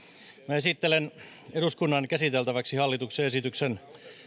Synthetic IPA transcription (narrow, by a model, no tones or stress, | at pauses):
mæesit̪ːelen | eɾuskunːɑnkæsit̪elt̪æʋæksihɑlːit̪ukseesit̪yksen